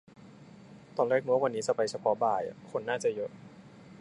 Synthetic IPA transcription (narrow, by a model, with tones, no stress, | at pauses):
t̪ɔː˧˩nleː˥˩k̚mu˦˥˦k̚wa˧nːiː˦˥t͡ɕa˧pa˧jt͡ɕʰa˧pʰɔ˦˥baː˨˩ja̰˨˩kʰo˧nːaː˥˩t͡ɕa˨˩jɤ˦˥ʔ